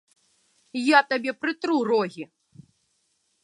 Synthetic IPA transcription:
jat̪abʲɛpɾɨt̪ɾuɾɔɣʲi

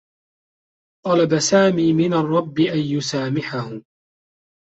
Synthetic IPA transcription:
t̪ˤɑlabasaːmiːmɪnarˤːɑbːɪʔanjʊsaːmɪħahʊ

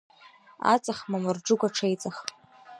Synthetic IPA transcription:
a̰t͡sʼaχmamɨrʈ͡ʂʊɡʷaʈ͡ʂʰejt͡sʼaχ

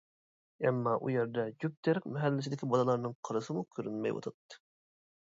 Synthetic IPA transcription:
ɛmːɑʔṵjɛɾd̪ɛd͡ʒyp̚t̪ʰæɾq̚mɛɦɛlːɪsɪd̪ɪkʲʰibɑlˠəlˠɑɾnɨŋqʰəɾɨsɨmukʲʰøɾynmɛ̰jwɑ̰t̪ʰɑt̪ːɨ̥

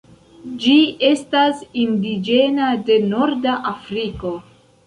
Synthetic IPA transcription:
d͡ʒie̞stasindid͡ʒe̞nade̞no̞ɾdaʔafɾiko̞

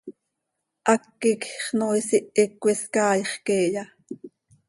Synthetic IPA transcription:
ʔɑkːikχnoːisiʔikʷːiskɑːjχkeːjɑ

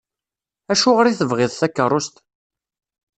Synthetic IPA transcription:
æʃʊʁɾiθəvʁɪðˤθækːərˤːʊst̪

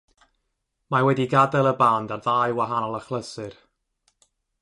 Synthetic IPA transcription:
mawɛdiɡadɛlˠəbandarðajwaɦanɔlˠəχlˠəsɨr

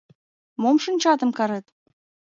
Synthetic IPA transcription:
momʃə̆nt͡ɕɑt̪ə̆mkɑɾet̪

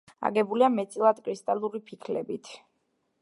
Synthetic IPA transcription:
a̰ɡɛbuliamɛt̪sʼilˠad̪kʼɾist̪ʼalˠuɾipʰikʰlɛ̰bit̪ʰ

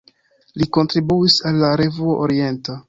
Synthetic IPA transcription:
liko̞ntɾibuisalːaɾe̞vuoʔoɾie̞nta

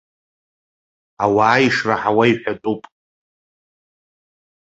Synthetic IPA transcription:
awaːiʂraħawaiħʷᶣatʼupʼ

